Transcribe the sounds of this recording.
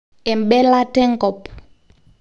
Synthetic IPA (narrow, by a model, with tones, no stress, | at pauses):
ɛ˨mɓɛ˦la˦tɛ˦ŋɡɔ˨p